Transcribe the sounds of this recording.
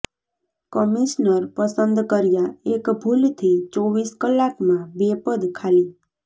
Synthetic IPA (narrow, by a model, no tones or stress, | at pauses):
kəmiʃnəɾpəsənd̪kəɾjaekbʱult̪ʰit͡ʃoʋiskəlːakmãbepəd̪kʰali